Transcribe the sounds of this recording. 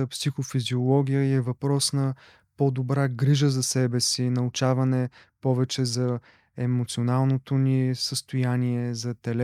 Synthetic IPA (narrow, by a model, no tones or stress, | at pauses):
psixofiziolˠɔɡʲijəiɛvɐpɾɔsnɐ | pod̪obɾaɡɾiʒəzɐsɛbɛsinɐʊt͡ʃavɐnɛpɔvɛt͡ʃɛzɐ | ɛmot̪sionalˠnot̪onisəst̪ojaniɛzɐt̪ɛl